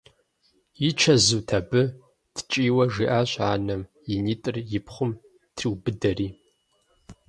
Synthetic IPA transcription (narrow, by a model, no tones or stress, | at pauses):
jit͡ʃʰɐzuːtʰɐbɨ | tʰt͡ʃʼiːwɐʐiːʔaːɕʷʼaːnɐm | jɪniːtʼɨrjɪpχʷʊm | tʰriwbɨdɐriː